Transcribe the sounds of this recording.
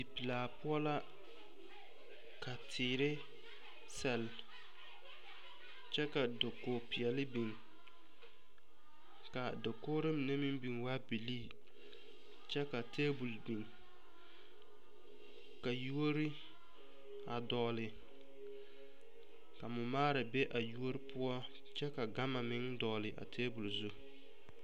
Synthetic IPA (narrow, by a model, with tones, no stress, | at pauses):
dɪ˨pi˨laː˨pʊ˦ɔ˦la˦ | kʰa˨tʰɪː˨ɾɪ˦ | sɛ˨l | t͡ʃɛ˦ka˨do˨ko˨pi˨ɛ˨lɪ˦bi˨ŋ | ka˨dɪ˨koː˦ɾɪ˦m˨ne˦mɪ˦mbi˨ŋwa˦bi˨liː˦˨ | t͡ʃɛ˦ka˨tʰeː˦bu˨lbi˨ŋ | ka˨ju˦o˦ɾɪ˦ | a˨dɔ˨lɪ˨ | ka˨mʊ˨maː˦ɾa˨be˦ʔa˨ju˦o˦ɾɪ˦pʰʊ˦ɔ˦ | t͡ʃɛ˦ka˨ɡa˦ma˨mɪ˦ŋdɔ˨lɪ˨ʔa̰˨tʰeː˦bu˨lzu˦